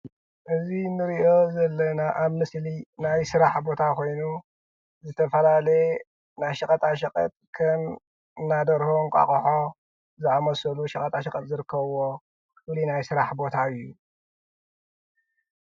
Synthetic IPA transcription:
ʔɨzinɨɾiʔo̞zɐlːɐnaʔaβmɨslinajsɨɾaħbo̞t̪ʰakʰo̞jnu | zɨt̪ʰɐfɐlalɐje | najʃɐkʼɐt̪ʼaʃɐkʼɐ̰t̪ʼkʰɐm | ɨnːad̪ɐɾhoŋkʼa̰kʼɐħo̞ | zɨʕamɐsɐluʃɐkʼɐt̪ʼaʃɐkʼɐt̪̚ʼzɨɾɨkʰːɐβwo̞ | fɨlinajsɨɾaħbo̞t̪ʰaɨjːu

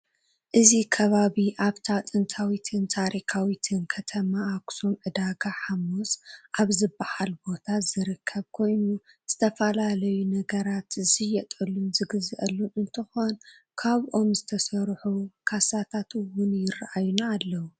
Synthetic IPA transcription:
ʔɨzikʰɐβaβiʔaβt̪ʰat̪ʼɨnt̪ʰawit̪ʰɨnt̪ʰaɾʔikʰawit̪ʰɨnkʰɐt̪ʰɐmaːksomʕɨd̪aɡaħamosʔaβzɨbːahalbo̞t̪ʰazɨɾɨkʰːɐβkʰo̞jnu | z̥ɨt̪ʰɐfɐlalɐjunɐɡɐɾat̪ɨzɨjɛt̪ʼɨlumzɨɡɨzʔɐlːuʔɨnt̪ʰɨxo̞n | kʰaβʔo̞mzɨt̪ʰɐsɐɾħukʰasat̪ʰat̪ɨwʊnjɪrːaʔajunaːlːɐwu

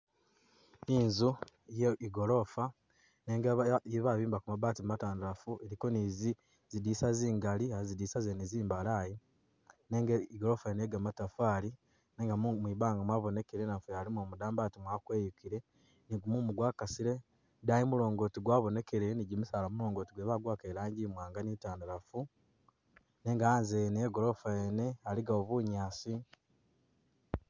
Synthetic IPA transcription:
iːnzujeiɡolo̞fa | neːŋɡajiβaβiːmbakumabaːtimumataːndulafueɾiko̞niːzi | zidisaziːŋɡaliazidiːsazeniziːmbalaji | neːŋɡeiɡoɾo̞faineɡamatafaːli | neːŋɡamwiβaːŋɡamwaːβo̞ne̞keɾenafejalimomudaːmbaːtimwakwejukiɾe̞ | niɡumumuɡwaːkasiɾe | dajimuɾo̞ːŋɡo̞tiɡwaːβo̞ne̞keɾeniɟimusalamuɾo̞ːŋɡo̞ːtiɡweβaɡwaːkeɾaːɲɟimwaːŋɡanitaːndaɾafu | ne̞ːŋɡaanzeneɡo̞ɾo̞faene̞aliɡaoβuɲaːsi

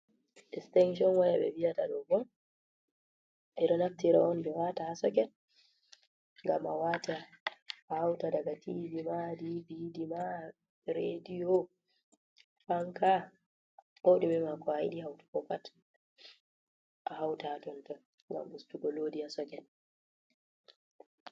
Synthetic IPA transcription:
ʔɛstɛŋʃ̬ɔnwajaɓɛ̰wijataɗɔɡɔm | ʔɛɗɔnaftiɾa̰ɔnbɛwatahasɔkɛn | ŋɡamawataː | hawtadaɡatʰidimadibidima | ɾedijɔ | faŋka | ʔoɗumɛmakɔajḭɗihawtu̥kɔkat | ʔahawtaatɔnta | ŋɡa̰mbustuɡɔloːdihasɔkɛn

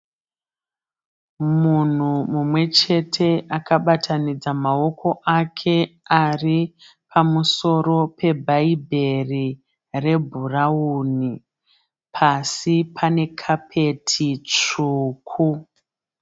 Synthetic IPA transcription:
mun̤umumwe̞t͡ʃe̞tʰe̞ʔakaɓatʰanid͡zamao̞ko̞ʔakʰe̞ari | pʰamuso̞ɾo̞pe̞bʱaibʱe̞ri | re̞bʱurauni | pʰasipʰane̞kʰapʰe̞tʰit͡ʂuːkʰu

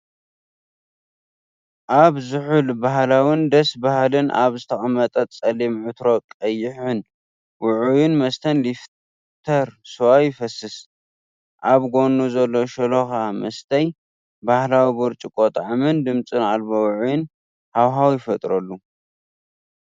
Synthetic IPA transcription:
ʔaβzɨħulbaɦlawind̪ɐsbahlɨnʔa̰βzɨt̪ʰɐxʼɐmɐt̪ʼɐt͡sʼɐlimʕʊt̪ɾo̞kʼɐjɪħʊn | wʊʕujɪnmɐst̪ʰɐnlif | t̪ʰɐɾsɨwajɪfɐsːɨs | ʔaβɡo̞nːuzɐlːo̞ʃɐloxamɐst̪ʰɐj | bahlawibuɾt͡ʃʼikʼot̪ʼʕmɨnd̪ɨmt͡sʼɨnalbowʊʕujɪn | hawɦawjɪfɐt̪ʼɾɐlːu

